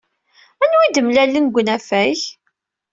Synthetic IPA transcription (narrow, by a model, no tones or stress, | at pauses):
ænwid̪əmlælːinɡʷənæfæç